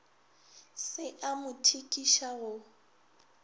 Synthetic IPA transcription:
sɪʔamʊtʰikʼiʃaɣʊ

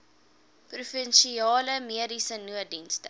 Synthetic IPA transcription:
prufənʃiɑːləmiədisənuədinstə

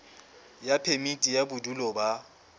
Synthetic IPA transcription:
japʰemitʼijabudulɔba

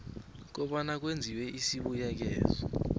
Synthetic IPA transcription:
k̬ɔɓanak̬wend͡zʱiwɛʔisiɓujak̬ɛ̰ːzɔ

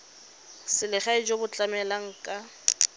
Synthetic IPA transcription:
sɪlɪχaɪd͡ʒobʊt͡ɬʼamɛlaŋ̩kʼa

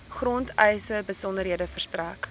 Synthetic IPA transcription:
χrɔntɛjsəbəsɔndərɦiədəfərstræːk

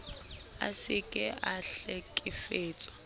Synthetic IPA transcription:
a̰sɪkʼɛaɬekʼɪfeːt͡sʼwɔ

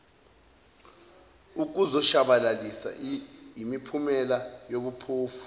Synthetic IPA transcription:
uk̬ʼuzɔʃaɓalalisa̰imipʰumɛlajoɓupʰoːfu̥

